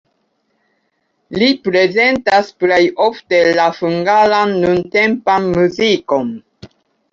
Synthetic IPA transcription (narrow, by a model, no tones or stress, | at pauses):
lipɾe̞ze̞ntasplejofte̞lafuŋɡalanːunte̞mpanmuziko̞n